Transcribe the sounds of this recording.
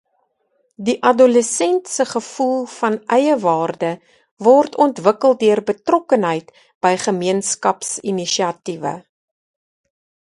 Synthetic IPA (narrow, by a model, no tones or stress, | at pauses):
diʔɐdoləsɛntsəχəfulˠfɐnʔɛjəvɑːrdə | vɔrtʰɔntvəkəlˠdøərbətrɔkənɦəjt | b̥əjχəmiənskɐpsiniʃiɐtivə̰